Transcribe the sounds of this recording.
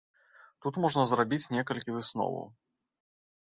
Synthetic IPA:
t̪ut̪mɔʐnɐzɾabʲit͡sʲnʲɛkɐlʲkʲivɨsnɔ̰vɐ̰w

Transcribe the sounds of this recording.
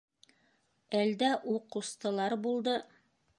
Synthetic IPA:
æld̪æʔuqust̪ɤ̆lˠɑɾbulˠd̪ɤ

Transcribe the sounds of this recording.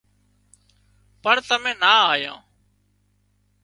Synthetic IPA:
pəɳt̪əmẽːnaːaːjã̰ː

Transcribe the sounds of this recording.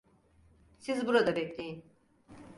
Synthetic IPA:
sizbuɾad̪abɛclʲejin

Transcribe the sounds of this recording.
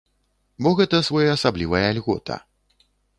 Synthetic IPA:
bɔɣɛt̪ɐsvɔjɐɐsablʲivɐjɐalʲɣɔt̪ʰɐ̰

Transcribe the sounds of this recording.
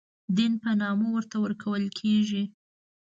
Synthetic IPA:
d̪inpənɑmowəɾt̪awəɾkʰawəlkʰeʒi

